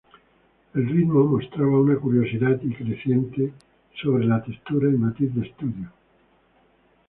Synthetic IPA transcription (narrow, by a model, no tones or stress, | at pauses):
elrid̪momost̪ɾaβaunakuɾjosiðad̪ikɾeθjent̪e | soβɾelat̪est̪uɾaimat̪iθd̪est̪uðjo